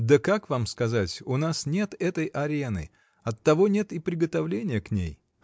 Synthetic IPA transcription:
d̪əkakvamskɐzatʲʊnasnʲet̪ɛt̪əjʔɐɾʲenɨ̰ | ɐt̪ːɐvo̞nʲe̞t̪ɪpɾʲɪɡət̪ɐvlʲenʲɪjəknʲḛj

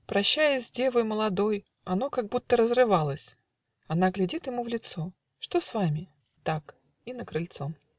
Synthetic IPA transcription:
pɾɐɕːæjɪsʲdʲe̞vɨjməlˠɐd̪o̞j | ɐno̞kaɡ̚but̪ːəɾəzrɨvalˠəsʲ | ɐnaɡlʲɪdʲit̪jɪmuvlʲɪt̪so̞ | ʂt̪o̞svamʲɪ | t̪ak | inəkɾɨlʲt̪so̞m

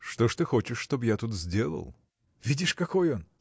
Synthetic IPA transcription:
ʂt̪oʂt̪ɨxo̞t͡ɕɪʂʂt̪objat̪ut̪zʲdʲe̞lˠə̰lˠ | vʲidʲɪʂkɐkojon

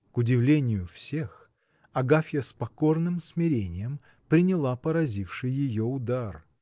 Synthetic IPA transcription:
kʊdʲɪvlʲenʲɪjʊfsʲe̞x | ɐɡafʲjəspɐko̞rnɨmsmʲɪɾʲenʲɪjəm | pɾʲɪnʲɪlˠapəɾɐzʲifʂɨjːɪjoʊd̪ar

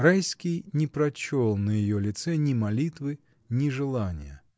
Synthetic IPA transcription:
rajskʲɪjnʲɪpɾɐt͡ɕolˠnəjɪjolʲɪt̪sɛnʲɪmɐlʲit̪vɨ | nʲɪʐɨlˠanʲɪ̰jə̰

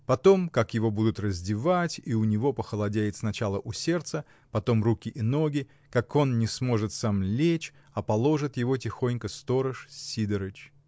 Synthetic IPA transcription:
pɐt̪o̞mkakjɪvo̞bud̪ʊt̪rəzʲdʲɪvatʲiʊnʲɪvo̞pəxəlˠɐdʲæjɪt̪snɐt͡ɕalˠəʔʊsʲe̞rt̪sə | pɐt̪o̞mrukʲɪʔɪno̞ɡʲɪ | kako̞nnʲɪsmo̞ʐɨt̪samlʲet͡ɕ | ɐpɐlˠo̞ʐɨt̪jɪvo̞t̬ʲɪxo̞nʲkəst̪o̞ɾəʂsʲid̪əɾɨt͡ɕ

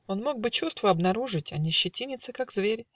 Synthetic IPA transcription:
o̞nmo̞ɡ̚bɨt͡ɕust̪vəɐbnɐɾuʐɨtʲɐnʲɪɕːɪtʲinʲɪt̪sɨkakzvʲeɾʲ

